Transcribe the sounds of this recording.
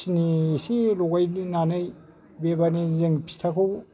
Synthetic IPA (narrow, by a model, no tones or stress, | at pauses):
sinisiloɡajninanaj | bebanizeŋpʰi̥tʰakʰow